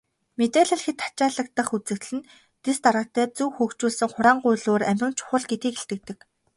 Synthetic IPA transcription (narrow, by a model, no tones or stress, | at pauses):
met̪æɮĭɮxet̪ʰːḁt͡ɕaːɮə̆k̚t̪ə̆χut͡sɘ̆kt̪ɮɘ̆n | t̪est̪aɾăːt̪æːt͡suwxɵːkt͡ɕuːɮsɘ̆ŋχʊɾaːɴɢʊjɮoːræmʲrʲɪ̆nt͡ɕʰʊ̥χə̆ɮɡet̪iːkeɬt̪ɘ̆k̚t̪ɘ̆k